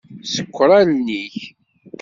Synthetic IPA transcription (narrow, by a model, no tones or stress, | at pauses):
sə̥kʷːɾˤalniç